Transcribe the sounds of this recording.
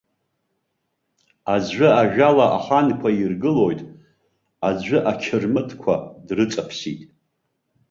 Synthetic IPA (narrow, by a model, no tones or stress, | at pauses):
azʕʷʊaʒᶣalaʔa̰χankʷʰairɡɨlo̞jtʼ | ad͡zʷʊʔakʲʰɪrmɨtʰkʷʰa̰drɨt͡sʼapʰsitʼ